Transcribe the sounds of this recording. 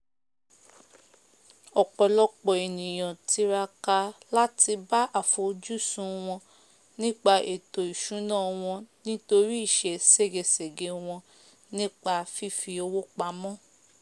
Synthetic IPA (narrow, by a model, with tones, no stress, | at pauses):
ɔ˨k͡pɔ˨lɔ˧k͡pɔ˨e˨nĩ˨j̃ɔ̃˨ti˧ɾa˧ka˧la˦ti˧ba˦ʔa˦˨fo˨˦d͡ʒu˦sũ˧w̃ɔ̃˧ | nĩ˦k͡pa˧ʔe˨to˨i˨ʃũ˨˦nãː˦˨w̃ɔ̃˧nĩ˦to˧ɾi˦i˦˨ʃe˧se˦˨ɡe˨se˨ɡe˨˦w̃ɔ̃˧ | nĩ˦k͡pa˧fi˦fi˧o˧wo˦k͡pa˧˦mɔ̃˦˨